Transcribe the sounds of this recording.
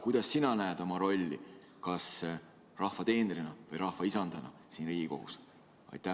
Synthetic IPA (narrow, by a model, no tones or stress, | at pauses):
kujd̪̥ɑsːinɑnæed̪̥o̞mɑɾo̞lʲːḭ | kɑs | rɑhvɑt̪e̞ːneɾinɑvɤjɾɑhvɑisɑnd̪̥ɑnɑ̰ | siːnriːɡ̥ʲiko̞̰hṵs | ɑ̰jt̪ːˑæ